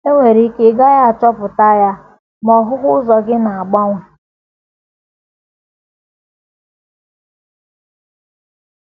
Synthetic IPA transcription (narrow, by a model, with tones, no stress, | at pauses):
e˦ŋʷe˨ɾi˦ke˦ɡa˦ja˦a˨t͡ʃɔ˦pʊ˨ta˦ja˦ | mɔ˨ɦʊ˦ɦʊ˦zɔ˨ɡɪ˦na˨a˨ɡ͡ba˦ŋʷe˨